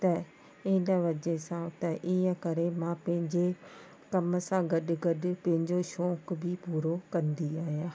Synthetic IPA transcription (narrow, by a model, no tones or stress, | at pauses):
t̪ɐ | ɪɦɪ̃nəʋɐd͡ʑesãt̪ɐʔiːə̃kɐɾemãːpɐ̃ɦɪ̃ɲd͡ʑe | kɐmsãɡɐɗʊ̆ɡɐɗʊ̆pɐ̃ɦɪ̃ɲd͡ʑoʃɔːkbʱɪpuːɾokɐ̃nd̪iaːɦijãː